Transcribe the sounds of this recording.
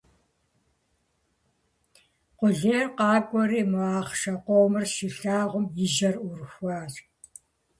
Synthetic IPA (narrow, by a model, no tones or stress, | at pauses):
qʷʊɮeːrqɑːkʷʼɔɾiːmɨaːχʃɐqʷoːmɨrʃiɬaːʁʷʊmjɪʒɐrʊrxʷɑːr